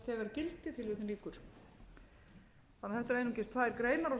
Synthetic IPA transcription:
θɛːɣaɾcɪlt̪ɪt̪ʰɪlvɪt̪ɪniːkʏɾ̥ | anaθɛht̪aɾejnucɪst̪ʰfaðɛɾkɾeːjnaɾa

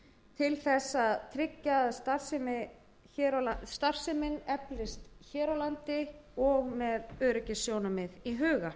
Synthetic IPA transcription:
t̪ʰɪlθɛsːaðt̪ʰɾɪcːaðst̪ar̥sɪmɪ | çɛɾlast̪ar̥sɪmɪnɛplɪst̪çɛːɾawlant̪ɪɔɣmɛðœːɾʏcɪsːjoːwnʏmɪðiɦʏːɣa

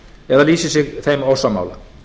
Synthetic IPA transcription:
ɛðaliːsɪsɪɣθejmowsama̰wla̰

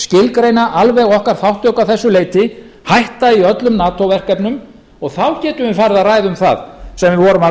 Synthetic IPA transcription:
scɪlkɾejnaʔalvɛɣɔhkaɾ̥θawht̪ɔkawθɛsːʏleːjt̪ɪ | hajht̪aiœt̪lʏmnaːt̪owvɛr̥kɛpnʏm | ɔɣθawcɛːt̪ʏvɪfaːɾɪðaðraːjðʏmθa̰ðsɛmvɪvɔːɾʏma

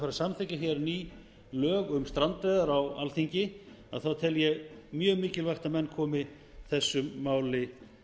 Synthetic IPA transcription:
faɾasamθɪcaçjɛɾniː | lœːɣʏmst̪ɾant̪ɛðaɾawa̰lθiɲcɪ | a̰ðθawt̪ʰɛljɛɣmjœːmiːcɪlvajxt̪amɛnːkʰɔːmɪ | θɛsːʏmːaːwlɪ

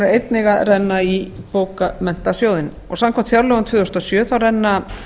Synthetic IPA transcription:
ɪɾejt̪nɪɣaðrɛnːai | poːwkamɛn̥t̪asjoːwðɪn | ɔɣsamkʰɛm̥t̪fjaɾlœɣʏnt̪ʰvʏːðʏɔst̪ɔsjœːθawrɛnːa

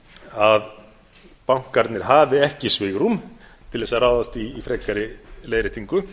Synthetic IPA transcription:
að | pawŋ̥kːaɾt̪nɪɾ̥ɦaːvɪɛhcɪsvɪɣɾum | t̪ʰɪlɛsaraːwðast̪iːfɾɛːkaɾɪleːjɾɪt̪ʰiŋkʏ

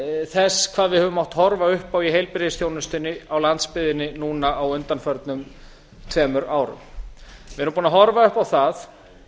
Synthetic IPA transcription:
θɛskʰv̥aːðvɪðhɛːvʏmːawht̪hɔɾvaʏhpawiɦejlpɾɪɪsθjoːwnʏst̪ɪnːɪawlant̪spɪðɪnːɪnuːnaawʏnt̪anfœɾt̪nʏm | t̪ʰvɛːmʏɾaːwɾʏ̰mvɪɛɾʏmpuːnaɦɔɾvaʏhpawθaθ

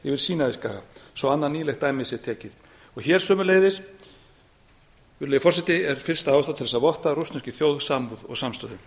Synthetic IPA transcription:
ɪvɪɾ̥siːnaðɪska̰ːɣa̰sɔwanːaniːlɛxt̪ːaːjmɪsɛ̥t̪ʰɛːcɪð | ɔɣçɛɾ̥sœːmʏɾleːjðɪs | lejfɔrsɛt̪ɪɛɾ̥fɪl̥st̪aaːwst̪at̪ɪɛsavɔht̪arust̪scɪθjoːwðsaːmpuðɔ̰ɣsamst̪œðʏ

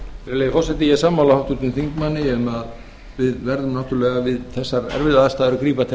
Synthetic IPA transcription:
fɾɛlejfɔsɛt̪ɪjɛsaːmːawlahawht̪ut̪ʏmθiŋkmanːɪɛmað | vɪðvɛɾðʏmnaht̪ʏɾlɛːɣavɪðθɛsːaɾɛ̰ɾvɪlaðast̪aːðɛɾʏkɾiːpat̪ʰ

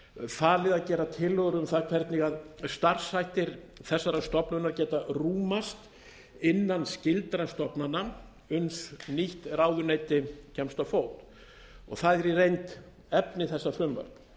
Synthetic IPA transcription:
faːlɪðaðcɛːɾat̪ʰɪlœɣɾʏmθaðkʰvɛɾt̪niɣaðst̪ar̥sːajht̪ɪɾθɛsːaɾast̪ɔpnʏnaɾcɛːt̪aruːmast̪ | ɪnːanscɪlt̪ɾast̪ɔpnana | ʏnsniht̪raːwðʏneːjt̪ɪcʰɛmst̪awfoːwt̪ | ɔ̰ɣθaðɛɾirejnt̪ | ɛpnɪθɛsːafɾʏmva̰ɾk

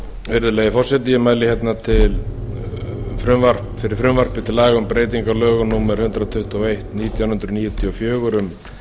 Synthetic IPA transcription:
vɪɾðʏlɛjɣɪfɔr̥sɛt̪ijɪmaːjlɪçɛt̪nat̪ʰɪl | fɾʏmvar̥pfɪɾɪɾ̥fɾʏmvar̥pɪt̪ʰɪlaːɣaʏmpɾeːjt̪iŋkalœːɣʏnuːmaɾ̥hʏnt̪ɾat̪ʰʏht̪ɔɣejht̪niːt̪ʰjaw̪hʏnt̪ɾʏniːjʏt̪ʰjɔfjœːɣʏɾʏm

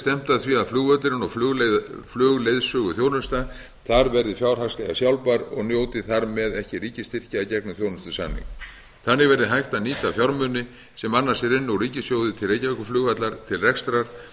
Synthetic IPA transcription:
st̪ɛm̥t̪aðθviaðflʏːɣvœt̪lɪɾɪnɔɣfʏɣlflʏːɣlejðsʏɣʏθjoːwnʏst̪a | θaɾvɛɾðɪfjawɾ̥ɦaslɛɣa̰sjawlpaɾɔ̰ɣnjoːwt̪ɪθaɾmɛðɛhcɪɾiːcɪst̪ɪr̥caacɛknʏθjownʏst̪ʏsa̰nːḭŋk | θanːɪɣvɛɾðɪɦajht̪aniːt̪afjawɾmʏnːɪ | sɛmanːḁsjɛɾɪnːʏawriːcɪsjoːwðɪt̪ʰɪlreːjcavɛkʏflʏːɣat̪laɾ̥t̪ʰɪlrɛkst̪ɾaɾ̥

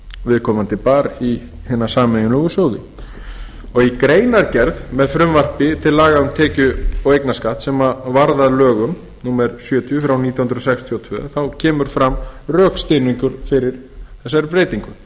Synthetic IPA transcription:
vɪðkʰɔːmant̪ɪpaːɾi | hɛːnːḁsaːmɛjʏnlɔɣʏsowðɪ̰ | ɔɣikɾeːjnaɾcɛɾðmɛðfɾʏmvar̥pɪt̪ʰɪlːaːɣaʏmt̪ʰɛːcʏɔwejknaskaht̪sɛmavaɾðaðlœːɣʏm | nuːmɛɾsjœːt̪ʰjʏfɾawniːt̪jahnɾɔsɛkst̪ʰiɔt̪ʰvœ̰ːθawcʰɛːmʏɾ̥fɾamrœːkst̪eniŋkʏɾ̥fɪɾɪɾ̥ | θɛsːaɾpɾeːjt̪iŋkʏ

